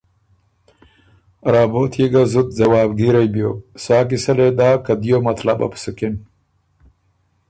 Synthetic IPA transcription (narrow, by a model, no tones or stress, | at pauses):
ɾaːboːt̪ʰjiɡazut̪̚zɐwaːbɡiɾɐjbjoswaːk̬isɐled̪aːkɐd̪ijomɐt̪la̰bɐ̰psukin